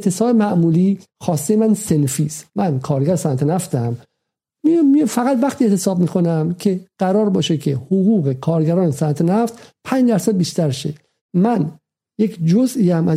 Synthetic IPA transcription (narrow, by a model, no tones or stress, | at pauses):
et̪ʰesɒːbemæʔmuːliː | xɒːst̪ejemænse̞nfiːst̪mænkʰɒːɾɡæɾsænt̪ʰenæft̪ʰæm | mimifæɣæt̪væxt̪ʰiːeʔt̪ʰesɒːb̚miːxʰonæmcʰe̞ɢ̥æɾɒːɾbɒːʃekʰehoɣuːɣe̞kʰɒːɾɡæɾɒːnesænt̪ʰenæft̪pʰænd͡ʒd̪æɾsæd̪̚biːʃt̪æɾʃe | mæn | jecʰd͡ʒoziːæmʔæ